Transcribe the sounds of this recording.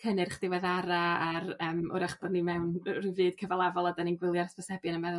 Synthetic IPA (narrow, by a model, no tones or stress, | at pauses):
kʰənɨrχd̥ɪwɛðaɾaaɾəːmʊ̰ɾaχb̥ɔdnimɛwnrivɨːd̥̚kʰəvalˠavɔlˠadaninɡwɪlˠjaɾspɔsɛbjanəmɛðʊ